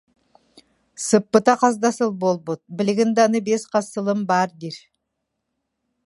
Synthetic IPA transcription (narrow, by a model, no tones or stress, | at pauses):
səpːət̪ɑqɑzd̪ɑsəlˠbolˠbot̪̚bɪlɪɡʲɪnd̪ɑnəbesqʰɑsəlˠəmbɑɾd̪iɾ